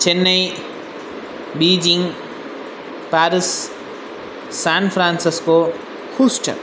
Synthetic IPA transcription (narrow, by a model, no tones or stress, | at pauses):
t͡ʃʰenːʌj | bid͡ʒiŋ | paɾis | anpʰɾansisko | kʰusʈʰʌ̰